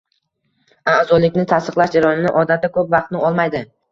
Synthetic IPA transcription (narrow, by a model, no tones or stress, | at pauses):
azɒlɪkʲnɪt̪ʰasɨqlˠaʃd͡ʒaɾɒnɪnɪ̰ʔɒd̪at̪ːakʰɵpvɑqt̪nɪɒlˠmajd̪ɪ